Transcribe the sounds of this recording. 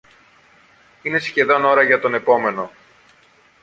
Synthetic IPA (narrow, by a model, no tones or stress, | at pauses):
ine̞sçe̞ðo̞no̞ɾɐʝɐt̪o̞ne̞po̞me̞no̞